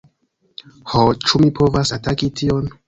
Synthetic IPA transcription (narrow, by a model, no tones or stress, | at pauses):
hot͡ʃumipʰovasatakitʰion